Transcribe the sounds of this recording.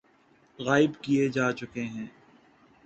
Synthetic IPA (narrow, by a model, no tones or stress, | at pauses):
ɣaːɪbkijed͡ʒaːt͡ʃʊkeɦɛ̃ː